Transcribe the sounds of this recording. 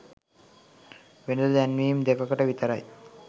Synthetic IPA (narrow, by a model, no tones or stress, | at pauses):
ʋened̪janmimd̪ekakəʈaʋit̪aɾaj